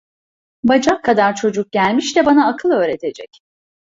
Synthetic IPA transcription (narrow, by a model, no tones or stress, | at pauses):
bad͡ʒakʰːad̪aɾt͡ʃʰo̞d͡ʒuk̚ɟælʲmiʃt̪ɛbanaːkʰɯlˠø̞ːɾet̪ʰe̞d͡ʒɛc